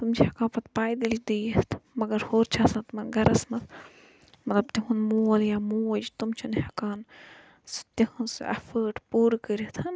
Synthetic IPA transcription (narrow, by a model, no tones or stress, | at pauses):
t̪umt͡ʃihɐkaːnpɐt̪paːjd̪ild̪iːt̪ʰmɐɡɐɾhoːɾt͡ʃʰaːsat̪mɐnɡɐɾɐsmɐt̪ | mɐt̪lɐbt̪iɦunmoːljaːmoːd͡ʒt̪umt͡ʃʰunhɐkaːn | st̪ehunsɐ̰fəːʈpuːɾkəɾit̪ʰɐn